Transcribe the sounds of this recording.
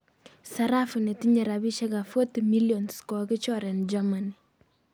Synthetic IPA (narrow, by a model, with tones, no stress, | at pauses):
saɾa˦fu˨nɛ˨tiɲɛ˨ɾa˨bi˦ʃɛ˦ka˨fo˦tmiljɔ˨nskɔkɪ˦t͡ʃɔɾɛ˨nd͡ʒamani